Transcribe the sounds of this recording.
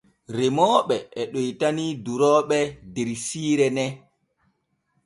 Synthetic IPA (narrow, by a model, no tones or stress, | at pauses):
ɾemɔːɓɛʔɛɗojtaniduɾɔːɓɛdɛɾsiːɾɛnɛ